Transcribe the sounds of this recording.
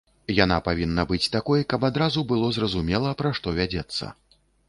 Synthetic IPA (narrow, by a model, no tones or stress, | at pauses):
jana̰pavʲinːɐbɨt͡sʲt̪akɔjkɐpad̪ɾazubɨlˠɔzrɐzumʲɛlˠɐpɾaʂt̪ɔvʲad͡zʲɛt̪sːɐ̰